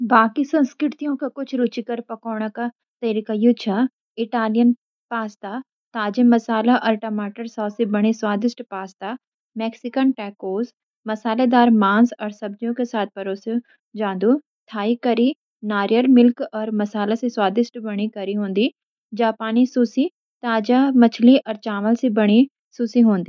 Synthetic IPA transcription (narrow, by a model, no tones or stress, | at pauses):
baːkisɐ̃nskɾɪʈt̪ijõkakʊt͡ʃʰɾʊt͡ʃikɐɾpɐkɔːɳ̃aka | t̪ɐɾikajut͡ʃʰa | ɪʈaːlɪjən | paːst̪a | t̪aːd͡ʒemɐsaːlaʔɐːɾʈɐmaːʈəɾsɔːsebɐɽ̃iswaːd̪ɪʃʈpaːst̪a | mɛːksɪkənʈɛːkoːz | mɐsaːlad̪aːɾmãːnsɔːɾsɐbd͡ʒjõkesaːt̪̚ʰpɐɾoːs | d͡ʒãːnd̪u | t̪ʰaːikɐɾi | naːɾjəlmɪlkɔːɾmɐsaːlasiswaːd̪ɪʃʈbɐɽ̃ikɐɾiɦõːnd̪iː | d͡ʒaːpaːnisuːsi | t̪aːd͡ʒamɐt͡ʃʰliʔɔːɾt͡ʃaːʋəlsibɐɽ̃i | susiɦõːnd̪iː